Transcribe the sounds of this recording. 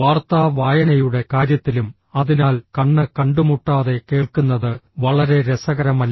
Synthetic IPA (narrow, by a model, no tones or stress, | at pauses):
ʋaːrt̪aːʋaːjɐnɐjuɽe̞kaːɾjɐt̪ːilum | ɐðinaːlkɐɳːɨkɐɳɖumuʈːaːðe̞ke̞ːɭkunːɐðɨʋɐɭɐɾe̞ɾesɐɣɐɾɐmɐlː